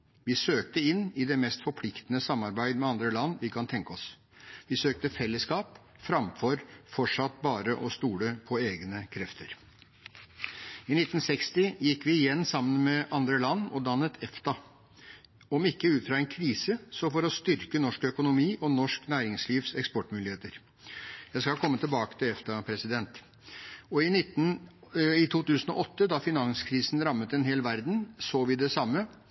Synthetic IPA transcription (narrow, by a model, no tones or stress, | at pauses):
ʋɪsøːkt̪əɪnːɪd̪ɛmɛst̪fɔɾpʰlɪkt̪ənəsɑmːɑɾbæɪd̪əmɛɑnd̪ɾəlɑnːʋɪkʰɑnt̪ʰɛŋkəɔs | ʋɪsøːk̚t̪əfɛlːəskɑːp | fɾɑmfɔɾfɔʈʂɑt̪ːbɑːɾəʔɔst̪uːləpʰɔeːɡnəkʰɾɛft̪ʰəɾ | ɪnɪt̪ːn̩sɛkst̪ɪjɪkːʋɪɪjɛnːsɑmːənmɛʔɑnd̪ɾəlɑnːɔd̪ɑnːət̪ʰɛft̪ɑ | ɔmɪkːəʉːt̪fɾɑːɛnkʰɾiːsəsɔfɔɾɔst̪ʏɾkənɔʂkœkʊnʊmiːʔɔnɔʂknæːɾɪŋsliːʋsɛkspɔʈːmʉːlɪheːt̪əɾ | jæɪskɑlkʰɔmːət̪ʰɪlbɑːkə̥t̪ʰɪlɛft̪ɑpʰɾɛsɪd̪ɛnt̪ | ɔɪnɪt̪n̩ | ɪt̪ʰuːt̪ʉːsən̩ɔ̰ʔɔt̪ːəd̪ɑfɪnɑŋskʰɾiːsn̩ɾɑmːət̪ɛnɦeːlʋæɾd̪n̩soːʋɪd̪ɛsɑmːə